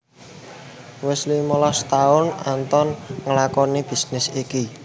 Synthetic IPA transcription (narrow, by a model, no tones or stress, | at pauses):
wɪslimɔlɔst̪aʊnant̪ɔnŋəlakɔnib̥i̤snɪsiki